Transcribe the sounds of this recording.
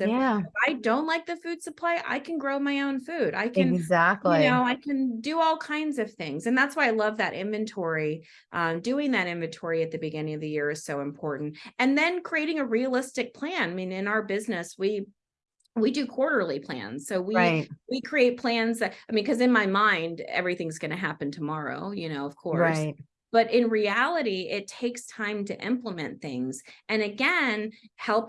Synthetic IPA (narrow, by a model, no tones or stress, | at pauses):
ɪæɪfaɪdõʊ̃nʔˡlaɪk̚ðɨfʉd̥sɨpʰl̥eɪʔa̰ɪkʰɨ̃n̩ɡɹoʊmaɪõʊ̃nfʉɾa̰ɪkɨ̃nɡzæk̚tˡlɨinoʊaɪkʰɨ̃ndɨɔlˠkʰãɪ̃ndzʌv̥θɪ̃ŋzɨ̃nðætswaɪaɪlʌvðɨɾʔɪ̰̃ɱvɨ̃ntʰɔɹi | ʔʌ̃dʉɪ̃ŋðɨɾɪ̃ɱvɨ̃ntʰɔɹiɨt̪̚ðɨbɨɡɪ̃nɪ̃ŋʌvðɨjɪɹɨz̥soʊɨ̃mpʰɔɹʔn̩tɨ̃nðɨ̃nkʰɹ̥ieɪɾɪ̃ŋɨɹiɨlɪstɨk̚pʰl̥æ̃naɪmĩnɪ̃naʊə˞bɪznɨswi | widɨkʰw̥ɔɹɾə˞lˠipʰl̥æ̰̃nz̥soʊwiaɪt̚wikʰɹ̥ieɪt̚pʰl̥æ̃nzðɨtaɪmĩnkʰʌzɨ̃nmaɪmãɪ̃ndɛ̰vɹiθɪ̃ŋzɡʌnɨɦæpɨ̃n̩tʰəmɑɹo̰ʊjɨñoʊʌv̥kʰɔɹsɪt̚ | b̥ʌɾɪ̃nɹiælˠəɾiɪtʰeɪkstʰãɪ̃mtʰɨʔɪ̰̃mpləmɛ̃nθɪ̃ŋz̥ɨ̃nɨɡɛ̃nhɛlˠp̚